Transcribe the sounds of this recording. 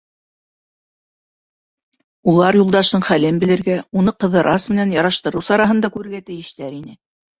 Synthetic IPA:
ulˠɑɾjulˠd̪ɑʃt̪ɤɴχælɘnbɘ̆lɘ̆ɾɡæunɤqɤ̆ðɤ̆ɾʔɑsmɘ̆nænjɑɾɑʃt̪ɤ̆ɾɤwsɑɾɑɦɤ̆nd̪ɑkʉɾɘ̆ɾɡæt̪ɘ̆jɘ̆ʃt̪æɾinɘ

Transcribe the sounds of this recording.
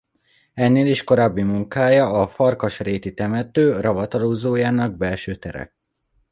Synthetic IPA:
ɛnːeːliʃko̞ɾaːbːimuŋkaːjɒɒfɒrkɒʃreːt̪it̪ɛmɛt̪øːrɒvɒt̪ɒloːzoːjaːnɒɡ̚bɛlʃøːt̪ɛ̰ɾɛ̰k̚

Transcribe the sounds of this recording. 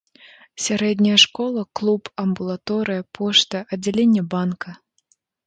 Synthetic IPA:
sʲaɾɛd̪ʲnʲɐjɐʂkɔlˠɐklˠupɐmbulˠat̪ɔɾɨjɐpʰɔʂt̪ɐʔɐdd͡zʲalʲenʲːɐbankʰɐ

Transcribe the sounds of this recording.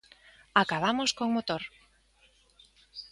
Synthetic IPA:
akaβamoskoŋmot̪oɾ

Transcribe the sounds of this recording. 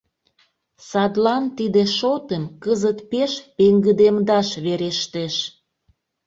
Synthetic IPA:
sɑd̪lɑnt̪id̪eʃot̪emkəzət̪peʃpeŋɡəd̪emd̪ɑʃβeɾeʃt̪eʃ

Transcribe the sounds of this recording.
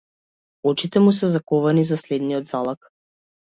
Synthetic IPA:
ɔt͡ʃit̪ɛmus̬ɛzakɔvanizaslɛd̪niɔd̪zalˠak

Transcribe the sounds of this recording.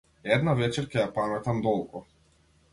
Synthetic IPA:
ɛd̪navɛt͡ʃɛɾkʲɛjapamɛt̪amd̪ɔlˠkɔ

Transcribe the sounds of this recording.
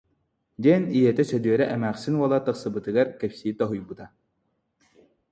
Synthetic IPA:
d̪ɛnijɛt̪ɛsœd̪yœɾɛʔɛmæːχsinwɔlˠat̪ɯqsɯbɯt̪ɯɡaɾkɛpsit̪ɔɦujbɯt̪a

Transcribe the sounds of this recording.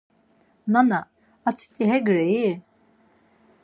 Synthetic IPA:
nanaː | t͡sʰi̥t̪ʼiɦɛɡɾɛi

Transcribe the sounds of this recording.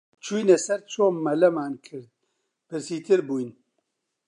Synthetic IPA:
t͡ʃʰujnɛsɛɾt͡ʃʰoːmmːɐlɐmaːnkʰɨɾd̪̚ | pʰɨɾsiːt̪ʰɨɾbuːjn

